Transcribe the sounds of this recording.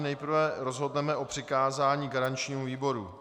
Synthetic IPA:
nɛjpr̩vɛɾo̞zɦo̞dnɛmɛʔo̞pr̥ɪkaːzaːɲiːɡaɾant͡ʃɲiːmuviːbo̞ɾṵ

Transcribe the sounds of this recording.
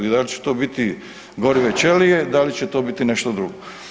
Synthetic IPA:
id̪alit͡ʃu̥t̪oːbit̪i | ɡoɾiʋet͡ɕelijed̪alit͡ɕet̪o̞ːbit̪ineʃt̪od̪ɾuɡo

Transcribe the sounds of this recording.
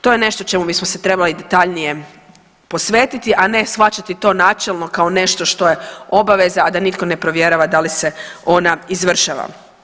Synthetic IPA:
t̪o̞jene̞ʃt̪ot͡ʃe̞mubismoset̪ɾe̞balid̪e̞t̪aʎnije̞ | po̞sʋe̞ːt̪it̪iʔane̞sxʋat͡ʃat̪it̪o̞ːnat͡ʃelno̞kao̞ne̞ʃt̪o̞ʃt̪o̞jeo̞baʋe̞zaːd̪anit̪ko̞ne̞pɾo̞ʋjeɾaʋad̪alise̞o̞naizʋr̩ʃaʋa̰

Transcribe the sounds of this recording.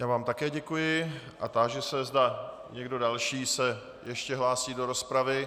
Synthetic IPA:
jaːvaːmt̪akɛːɟɛkujɪ | ʔat̪aʒɛsɛzda | ɲɛɡdo̞dalʃiːsɛ | jɛʃcɛɦlaːsiːdo̞ɾo̞spɾavɪ

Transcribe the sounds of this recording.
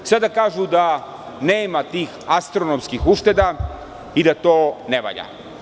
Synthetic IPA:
sad̪akaːʒud̪a | ne̞ːmat̪iːxast̪ɾonomskixuʃt̪e̞d̪a | id̪at̪oːneʋa̰ʎa̰

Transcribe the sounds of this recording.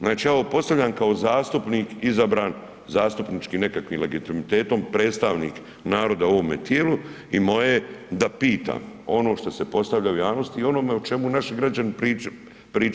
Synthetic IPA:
znaːt͡ʃiaʋopo̞st̪aʋʎʲamkao̞zaːst̪upniːkizabɾaːn | zaːst̪upnit͡ʃkine̞kakʋiːmle̞ɡit̪imit̪eːt̪o̞mpɾe̞ːt̪st̪aʋnḭːk | naːɾo̞d̪aoʋome̞̰t̪jeːlu | imo̞jed̪apiːt̪a̰ːmo̞no̞ːʃt̪o̞se̞po̞st̪aʋʎaujaːʋno̞st̪iːo̞no̞ːmeut͡ʃe̞munaʃɡɾad͡ʒanpɾi | pɾiː

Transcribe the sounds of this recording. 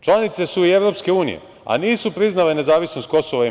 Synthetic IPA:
t͡ʃlˠanit̪se̞suie̞ʋɾo̞pske̞uːnḭjḛ | a̰niːsupɾiznalene̞zaːʋisno̞st̪̚ko̞soʋai

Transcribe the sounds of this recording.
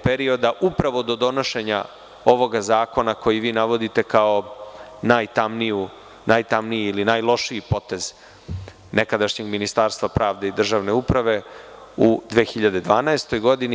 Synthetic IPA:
peɾio̞d̪aʔupɾaʋo̞d̪o̞d̪o̞no̞ʃe̞ɲa̰ | o̞ʋo̞ɡazaːko̞nako̞jiʋiːnaʋo̞d̪it̪e̞kao̞naːjt̪amniu | najt̪amniiːlinaːjlˠo̞ʃiipo̞t̪e̞z | nekad̪aʃɲe̞ɡminist̪aɾst̪vapɾʔaːʋd̪eid̪r̩ʒaːʋne̞upɾaʋe̞ud̪ʋeːxiʎad̪e̞d̪ʋaːnaest̪o̞jɡo̞d̪ini

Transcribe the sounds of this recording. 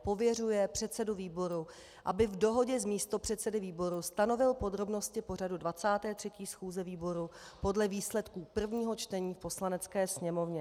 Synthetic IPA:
po̞vjɛrujɛpr̥ɛt̪sɛduviːbo̞ɾu | ʔabɪvdo̞ɦo̞ɟɛzmiːst̪o̞pr̝̥ɛt̪sɛdɪviːbo̞ɾust̪ano̞vɪlpo̞d̪ɾo̞bno̞scɪpo̞r̝adudvat͡saːt̪ɛːt̪r̥ɛciːsxuːzɛviːbo̞ɾupo̞dlɛviːslɛt̪kuːpr̩vɲiːɦo̞t͡ʃt̪ɛɲiːfpo̞slanɛt͡skɛːsɲɛmo̞vɲɛ

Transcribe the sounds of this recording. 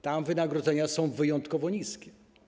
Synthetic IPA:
t̪amvɘnaɡɾɔd̪zɛɲasɔ̃w̃vɘjɔ̃nt̪kɔvɔɲiskʲɛ̥

